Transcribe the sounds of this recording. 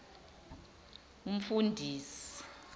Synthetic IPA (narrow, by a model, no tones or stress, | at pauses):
um̩fundʱiːsii̥i̥